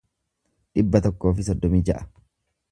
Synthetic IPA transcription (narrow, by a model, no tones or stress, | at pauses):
ᶑɪbːɐt̪ɔkːo̞ːfɪsɔd̪ːɔmiːd͡ʒɐʔɐ̥